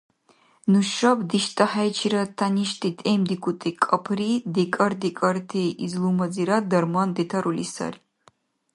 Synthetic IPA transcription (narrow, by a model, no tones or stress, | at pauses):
nuʃɐbd̪iʃtʼɐħajt͡ʃʰiɾɐtʰaniʃt̪ʰʼit̪ʼemd̪ikʷʰut̪ʼikʼɐpʰrid̪ɛkʼɐrd̪ikʼɐrt̪ʰejizlumɐd͡ziɾad̪ɐrmand̪etʰɐɾulisɐ̰r